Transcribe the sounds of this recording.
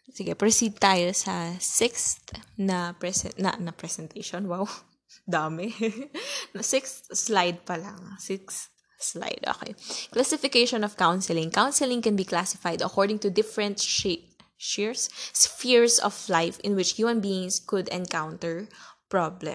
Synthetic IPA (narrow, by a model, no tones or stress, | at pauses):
sɪɡɛpɹɛsid̪̚t̪aːjosɐsɪkst̪nɐpɹɛsɛ̰nɐ̰ʔnɐpɹɛsɛnt̪ʰejʃonwaw | d̪aːmɛ | nɐsɪkst̪slajd̪̚pɐlaŋsɪkst̪ | sla̰jd̪o̰ːkḛjklasɪfɪkejʃɔnɔfkawnsɛlɪ̃ŋkawnsɛlɪ̃ŋkɛ̃nbiklasɪfajd̪ɐ̰kɔɹd̪ɪ̃ŋt̪ʊd̪ɪfɛɹɛ̃nt̪ʃ | ʃiɹssfiɹsɔ̰flajfɪ̃nwɪt͡ʃhjuːmɐ̃nbiɪ̃ŋskʊd̪ɛ̃nkawnt̪ɛɹpɹɔblɛ̰̃m